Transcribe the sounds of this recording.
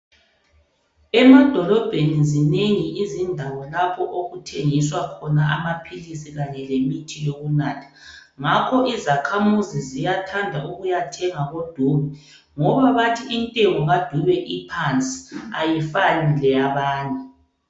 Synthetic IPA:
ɛmad̥ʱɔlɔb̥ʱenizineŋiizindʱawɔlapʰɔʔoɣutʰeŋiswakʰɔnaamapʰilisiɣaɲɛlemitʰijoɣunaːtʰḁ | ŋakʰɔʔizakʰamuzizijatʰandʱauɣujatʰɛŋaɣod̥ʱuːβɛ | ŋɔβaβatʰiintʼɛŋɔɣad̥ʱuβɛʔipʰant͡sʼi̥ajifanilɛaβaːntʼu

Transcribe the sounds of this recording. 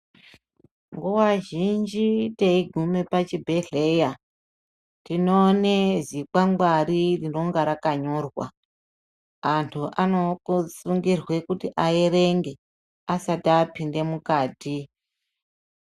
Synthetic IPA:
ŋɡuwaʒind͡ʒiteiɡʱume̞pat͡ʃibʱe̞ɮeja | tinoːne̞zikaŋɡwaɾiriro̞ŋɡaɾakaɲo̞rwa̰ | antʰuʔanokusuŋɡirwe̞kutiʔaeɾe̞ŋɡe̞ | asatapinde̞mukaːti

